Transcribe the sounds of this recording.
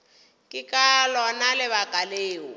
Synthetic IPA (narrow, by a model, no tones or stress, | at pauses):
kʼɪkʼalɔnalɪβakʼaleːʊ